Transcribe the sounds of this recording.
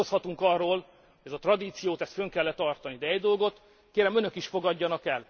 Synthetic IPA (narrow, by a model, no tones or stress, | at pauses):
oshɒt̪uŋkɒrːoːl | hojɛzɒt̪rɒd̪iːt̪sijoːt̪ɛst̪føŋkɛlːɛt̪ɒrt̪ɒnid̪ɛɛɟd̪o̞lɡo̞t̪ | keːɾɛmønø̞kiʃfo̞ɡɒɟːɒnɒkɛl